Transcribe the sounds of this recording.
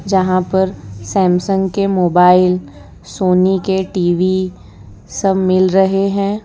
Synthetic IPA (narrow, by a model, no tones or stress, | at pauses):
d͡ʒɐɦãpɐɾsɛ̃ːmsə̃ŋɡkemoːbaːɪl | soːnikeʈiːʋi | sɐbmɪlɾɐɦeɦɛ̃ː